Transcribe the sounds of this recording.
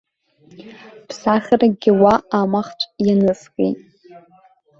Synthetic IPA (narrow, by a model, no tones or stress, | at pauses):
pʰsaχʲaraɡʲɪwaamaχt͡ʃʷʼjanɨskʼḛtʼ